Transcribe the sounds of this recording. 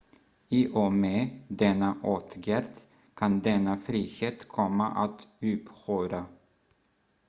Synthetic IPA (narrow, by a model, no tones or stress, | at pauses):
iːʔomeːd̪ɛnːaʔoːt̪ɡæɾt̪ | kʰɑnd̪ɛnːafɾiːheːt̪kʰɔmːa̰ʔat̪ʉːphøːɾa